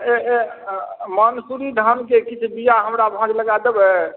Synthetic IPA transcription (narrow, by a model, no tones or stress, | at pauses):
ee | mənsuɾiɖ̪ʱənkekit͡ʃʰbijaɦəmɾabʱɔ̃d͡ʒləɡad̪ebɛ